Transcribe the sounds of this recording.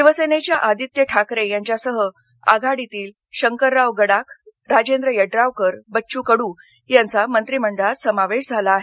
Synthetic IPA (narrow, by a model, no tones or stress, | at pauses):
diʋəsenet͡ɕjaʔad̪it̪jəʈʰakɾejaɲt͡ɕjasəɦə | a̰ɡʱaɽit̪iːl | ɕəŋkəɾːaʋɡəɽakɾad͡ʑend̪ɾəjəɖɾaʋkəɾbəɕuːkəɽũː | jãnt͡samənt̪ɾiməɳɖəɭat̪səmaʋeɕd͡zʱalaːɦe